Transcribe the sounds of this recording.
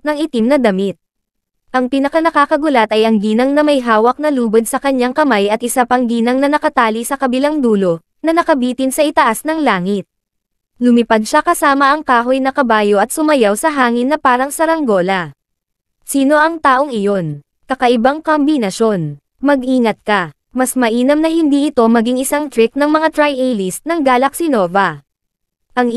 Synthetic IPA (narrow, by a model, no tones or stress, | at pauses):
nɐŋɪt̪imnɐd̪ɐmɪt̪̚ | ʔɐŋpɪnɐkɐnɐkakɐɡʊlɐt̪ɐjʔɐŋɡiːnɐŋnɐmɐjɦaːwɐk̚nɐluːbod̪̚sɐkɐɲːaŋkɐmajʔɐt̪̚ɪsapɐŋɡiːnɐŋnɐnɐkɐt̪aːlisɐkɐbɪlaŋd̪uːlo̞ | nɐnɐkɐbiːt̪ɪnsɐʔɪt̪ɐʔasnɐŋlaːŋɪt̪̚ | lʊmɪpad̪̚ʃakɐsaːmɐʔɐŋkaːɦo̞jnɐkɐbaːjo̞ʔɐt̪sʊmɐjawsɐɦaːŋɪnːɐpaːɾɐŋsɐɾɐŋɡo̞lɐ | siːno̞ʔɐŋt̪aːʔo̞ŋɪjo̞n | kɐkɐʔɪbaŋkɐmbinɐʃo̞n | mɐɡ̚ʔiːŋɐt̪̚kɐ | mɐsmɐʔiːnɐmnɐɦɪnd̪iʔɪt̪o̞mɐɡiŋʔɪsaŋt̪ɾɪk̚nɐŋmɐŋat̪ɾajʔɛlisnɐŋɡaːlɐk̚sɪno̞ːvɐ | ʔɐŋ